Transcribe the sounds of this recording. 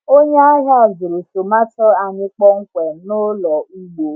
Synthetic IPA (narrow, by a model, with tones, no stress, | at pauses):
o˦ɲe˦a˦ɦa˦a˨zʊ˨ɾu˨so˨ma˦tɔ˦a˨ɲɪ˦k͡pɔ˦ŋ̩˦kʷɛ˨nʊ˦lɔ˨u˦ɡ͡bo˨